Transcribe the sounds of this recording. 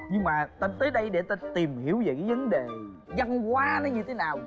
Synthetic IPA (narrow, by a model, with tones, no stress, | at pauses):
ɲɨ˧ŋmaː˨˩t̪ə˧˩nt̪əː˨˦jɗə˧jɗe˧˩t̪a˧t̪i˨˩mhi˧˩˨əwve˨˩kaː˨˦jvə˨˦nɗe˨˩ | zə˧nkwaː˨˦nɔ˨˦ɲɨ˧t̪ʰe˨˦naː˨˩w